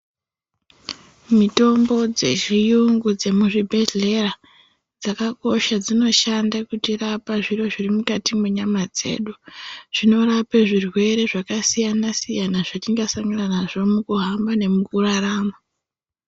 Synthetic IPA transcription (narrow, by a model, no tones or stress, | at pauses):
mito̞mbo̞d͡ze̞̰ʒijuŋɡud͡ze̞muʐibʱeɮe̞ra | d͡zakako̞ʃad͡zino̞ʃandakutirapaʐiro̞ʐirimukatimwe̞ɲamad͡ze̞̰ːɗuʐ̥ino̞rapeʐirwe̞ɾe̞ʐakasijanasijanaʐat͡ʃiŋɡasaŋɡananaʐo̞mukuɦambane̞mukuraraːma